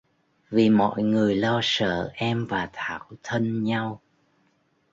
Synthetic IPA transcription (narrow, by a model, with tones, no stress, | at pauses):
vi˨˩mɔ̰˧˨jŋɨ˨˩əjlɔ˧sə̰ː˧˨ʔɛ˧mvaː˨˩t̪ʰaː˧˩wt̪ʰə˧nɲa˧w